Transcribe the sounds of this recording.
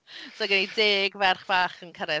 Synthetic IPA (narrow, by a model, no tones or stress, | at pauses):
soɡənideːɡvɛrχb̥aːχənkʰaɾɛ